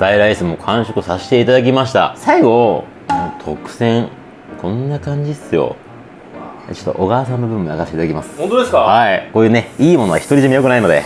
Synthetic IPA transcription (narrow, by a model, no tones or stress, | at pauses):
d̪̥aiɾaisɨmo̞kʰãɰ̃ɕokɯ̟saɕi̥t̪e̞it̪ad̪ak̬ʲimaɕi̥t̪a̰saiɡõ̞ | t̪ʰokɯ̟̥z̥ẽ̞ŋ | kʰõ̞nːakãɲ̟d͡ʑisɨjo̞̰ | t͡ɕo̥t̪ːo̰ʔoɡaːsãnːobɯbɯ̟mːaɡast̪eit̪ad̪akʲimasɨ̥õt̪od̪eskahaiko̞ːjɯːne̞iːmo̞noa̰çi̥t̪oɾiʑimʲijo̞kɯ̟naino̞d̪e̞̰